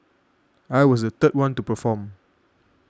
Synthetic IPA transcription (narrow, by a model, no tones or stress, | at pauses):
ajwɔsdət̪ət̚wãntupəfɔ̃m